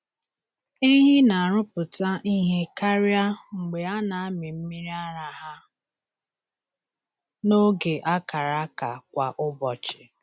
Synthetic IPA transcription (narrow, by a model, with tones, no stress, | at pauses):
i˦ɦɪ˦na˨a˨ɾʊ˦pʊ˨ta˦ʔi˦ɦe˦ka˦ɾja˦ŋ͡m̩˨ɡ͡be˨a˦na˨˦mɪ˨m̩˦mi˦ɾi˦a˦ɾa˦ɦa˦ | no˦ɡe˨ʔa˦ka˨ɾa˦ka˨kʷa˨ʔʊ˦bɔ˨t͡ʃɪ̥˨